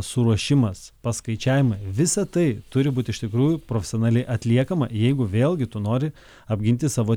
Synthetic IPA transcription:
sʊɾuɔʃʲɪmɐspɐskɐɪt͡ʃʲæːʋʲɪmɐɪʋʲɪsɐt̪ɐɪt̪ʊɾʲɪbuːt̪ʲɪʃt̪ʲɪkɾuːjʊpɾoːfʲɛsʲonɑːlʲɛɪʔɐt̪ʲlʲiɛkɐmɐjɛɪɡʊʋʲeːlʲˠɡʲɪt̪ʊnoːɾʲɪ | ɐbʲɡʲɪnʲt̪ʲɪsɑːʋoː

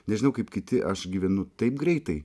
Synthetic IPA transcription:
nʲɛʒʲɪnɐʊkɐɪpkʲɪt̪ʲɪʔɐʃɡʲiːʋʲɛnʊt̪ɐɪp̚ɡɾʲɛɪt̪ɐɪ

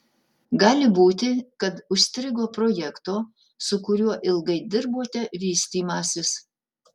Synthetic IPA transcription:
ɡɑːlʲɪbuːt̪ʲɪkɐt̪ʊʃsʲt̪ʲɾʲɪɡoːpɾojɛkt̪oː | sʊkʊɾʲuɔʔɪlˠɡɐɪd̪ʲɪɾboːt̪ʲɛʋʲiːsʲt̪ʲiːmɑːsʲɪs

